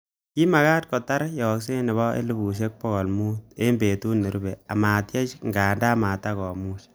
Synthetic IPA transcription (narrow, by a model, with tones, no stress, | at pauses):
ki˦ma˨ka˦t̚kɔ˨ta˦ɾjɔ˨ks̬e˦nɪ˨βɔ˦ʔḛ˦lu˦bu˨ʃ̬e˦k̚pɔ˦ɣɔ˨lmu˦t̚e˦mbe˨tu˦nːe˨ɾu˦be˨a˨ma˨tje˦t͡ʃŋɡaː˨nda˦ma˨ta˦kɔ˨mu˦ʃ